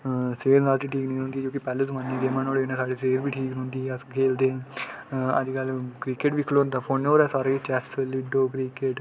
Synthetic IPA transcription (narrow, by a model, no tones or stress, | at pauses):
seːɾnaːlt͡ʃiʈʰiːknĩːnõːnd̪iːd͡ʒoːkɪpɛːloːzəmãːnːiːd̪eːmãːnoːɽeːnãːsaːɖiːseːɾbiːʈʰiːknõːnd̪iːəskʰeːld̪ẽː | ə̰d͡ʒɡəlkɾiːkeːʈʋɪkʰːloːnd̪aːpʰoːnoːɾɛːsaːɾit͡ʃɛslɪɖoːkɾiːkeːʈ